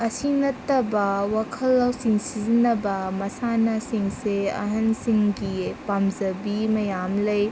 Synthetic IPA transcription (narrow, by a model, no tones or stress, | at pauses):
ɐsinɐtːɐbɐwakʰɐlːawsiŋsizinːɐbɐmɐsanɐsiŋseɐ̰ɦɐnsiŋɡipamzɐbimɐjamlɐj